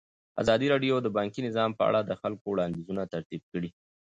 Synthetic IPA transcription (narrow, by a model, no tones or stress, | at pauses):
a̰zɑd̪iɾɑɖjod̪əbɑŋkinɪzɑmpəa̰ɽad̪əxalkowɽɑnd̪izunat̪aɾt̪ib̚kəɽi